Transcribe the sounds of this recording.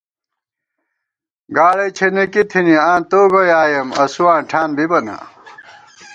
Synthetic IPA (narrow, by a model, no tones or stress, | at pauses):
ɡaːɽɐjt͡ɕʰenekit̪ʰiniãːnt̪oːɡojaːjɐmɐsuãːnʈʰaːnbibɐna̰